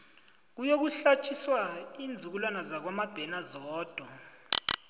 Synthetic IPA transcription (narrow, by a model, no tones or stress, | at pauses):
k̬ujok̬uɬat͡ʃʼʰiswaiːnd͡zʱuk̬ulwanazak̬wamab̥ʱɛnazɔːd̥ʱwa